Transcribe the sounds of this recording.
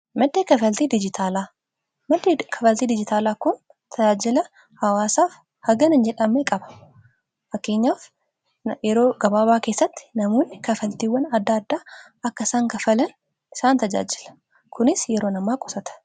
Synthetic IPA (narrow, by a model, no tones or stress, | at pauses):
mɐd̪ːeːkɐfɐlt̪iːd̪ɪd͡ʒɪt̪ʰaːlaː | mɐd̪ːekʰɐfɐlt̪iːd̪ɪd͡ʒɪt̪aːlaːkʊn | t̪ʰɐd͡ʒaːd͡ʒɪlɐ | hɐwaːsaːf | hɐɡɐnɐnd͡ʒɛᶑɐmeːkʼɐbɐ̥ | fɐkːeːɲːaːf | jɛɾoːɡɐbaːbaːkeːsːɐt̪ːɪ̥nɐmoːnːɪkɐfɐlt̪iːwːɐnɐd̪ːaɐd̪ːaː | ɐkːɐɪsaːŋkɐfɐlɐn | ɪsaːnt̪ɐd͡ʒa̰ːd͡ʒɪlɐ̥ | kʊnɪsjɛɾo̞ːnɐmːaːkʼɔsɐt̪ɐ̥